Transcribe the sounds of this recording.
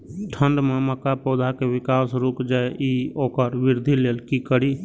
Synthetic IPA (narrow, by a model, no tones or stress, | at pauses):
ʈʰəɳɖmẽməkapɔːd̪ʱakeʋɪkaːsɾuːkd͡ʒaeʔioːkəɾʋɪɾd̪ʱileːlkikəɾi